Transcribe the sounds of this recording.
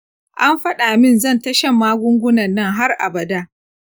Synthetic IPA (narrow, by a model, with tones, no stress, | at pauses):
ʔa˦mɸɐ˦ɗa˨mɪ˦˨nzɐ˦˨ntɐ˦ʃɐ˦mːaː˦ɡʷʊ˦ŋɡʷʊ˦nɐ˨nːɐ˦˨ŋɦa˦rʔa̰˨bɐ˨daː˦